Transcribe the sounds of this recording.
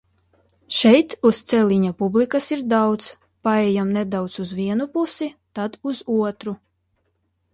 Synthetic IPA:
ʃɛjt̪ust̪sɛlʲiɲapublikasiɾd̪awt̪s | paɛjamnɛd̪awt̪suzviɛnupusit̪ad̪uzuɔt̪ɾu

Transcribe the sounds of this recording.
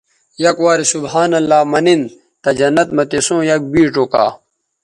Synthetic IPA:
jɐkwaːɾisubhaːnɐlːaːmɐnin | t̪ɐd͡ʑɐnːɐt̪mɐt̪esõːjɐk̚biːʈoːka̰ː

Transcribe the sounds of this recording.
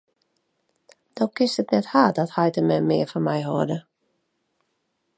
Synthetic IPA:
d̥owkɪstətnɛthaːt̚dɔthajtəmɛmɪəfɔnmɛjɦoədə

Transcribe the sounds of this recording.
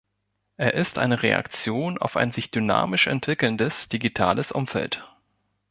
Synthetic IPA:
ʔeːɐʔɪstʔa̰ɪnəʁea̰kt͡sjoːna̰ʊfa̰ɪnzɪçd̥yna̰ːmɪʃɛ̰ntv̥ɪkl̩ndəsd̥iɡitʰa̰ːləsʔʊmfɛ̰lt

